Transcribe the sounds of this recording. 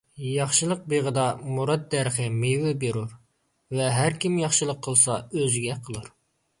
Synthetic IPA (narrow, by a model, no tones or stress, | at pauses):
jɑχʃɨlˠəq̚beʁəd̪ɑmuɾɑd̪̚ːɛɾχəmewɪbeɾuɾ | vɛɦæɾkʲimjɑχʃɨlˠəqʰːəlˠsɑøzɡʲɛqʰəlˠɨɾ